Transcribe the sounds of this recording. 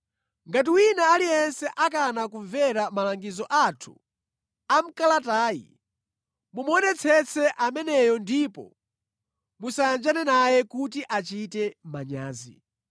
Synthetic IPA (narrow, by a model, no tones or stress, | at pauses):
ŋɡat̬iwinaːlijɛnsɛʔak̬anakuɱvɛɾamalaŋɡizɔʔatʰu̥ | am̩kalataːjḭ | mumɔnɛt͡sʰɛt͡sʰɛʔamɛnɛjɔndipɔ̰ | musajand͡ʒanɛnajɛkut̬iʔat͡ʃitɛmaɲa̰ːzḭ